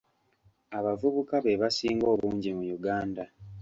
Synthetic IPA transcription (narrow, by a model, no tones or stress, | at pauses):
aβavuβukaβeβasiːŋɡo̞ːβuːɲɟimujuɡaːnda